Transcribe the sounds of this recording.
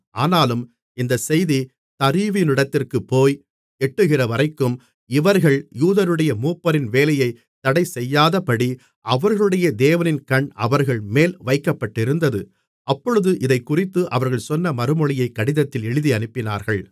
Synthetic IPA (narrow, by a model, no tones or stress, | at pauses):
ʔaːnaːlɯm | ɪnd̪ɐsɛjði | t̪ɐɾiʋɪnɪɽɐt̪ːɪrkɯpːoːj | ɛʈːɯɣɪrɐʋɐɾɐɪkːɯm | ɪʋɐɾɣɐɭjuːðɐɾɯɽɐjɐmuːpːɐɾɪnʋeːlɐjɐɪ | t̪ːɐɽɐɪsɛjːaːðɐpɐɽi | ʔɐʋɐɾɣɐɭɯɽɐjɐd̪eːʋɐnɪnkɐɳɐ̰ʋɐɾɣɐɭmeːlʋɐɪkːɐpːɐʈːɪɾɯnd̪ɐðɯ | ɐpːɔɻɯðɯʔɪðɐɪkːʊrɪt̪ːɯʔɐʋɐɾɣɐɭsɔnːɐmɐɾɯmɔɭɪjɐɪkːɐɽɪðɐt̪ːɪlɛɻɯðiɐnɯpːɪna̰ːɾɣɐɭ